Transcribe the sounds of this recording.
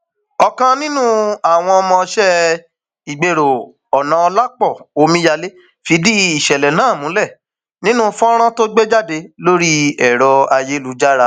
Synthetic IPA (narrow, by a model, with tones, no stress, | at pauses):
ɔ˧kã˧nĩ˦nũ˦a˨w̃ɔ̃˧ɔ˧mɔ̃˧ʃɛ˦ | i˨ɡ͡be˨ɾo˨ | ɔ˨nã˨˧ɔ˧la˦k͡pɔ˦˨o˧mĩ˧˦ja˧le˦ | fi˧di˦i˨ʃɛ˨lɛ˨nãː˨˦˨mũ˨˦lɛ˦˨ | nĩ˦nũ˦fɔ̃˦ɾ̃ã˦to˦ɡ͡be˦d͡ʒa˦˨de˧lo˦ɾi˦ɛ˨ɾɔ˧a˧je˦lu˧˦d͡ʒa˦ɾa˧˦